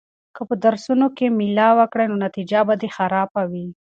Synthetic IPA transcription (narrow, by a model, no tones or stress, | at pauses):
kəpəd̪aɾsunokemɪlɑwəkɽajnonat̪id͡ʒabad̪exaɾɑbawi